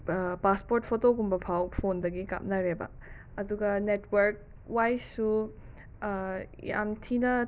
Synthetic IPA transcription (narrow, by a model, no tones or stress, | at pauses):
paspoɾt̚pʰotoɡumbɐpʰawpʰondɐɡika̰p̚naɾebɐ̰ | ɐduɡɐnetʰwɐɾk̚ | wajsu | ja̰mtʰinɐ